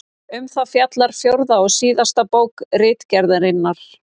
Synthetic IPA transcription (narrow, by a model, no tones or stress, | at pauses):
ʏmθafjat̪laɾ̥fjowɾðaɔɣsiːðast̪apowkrɪːt̪cɛɾðɪɾɪnːaɾ̥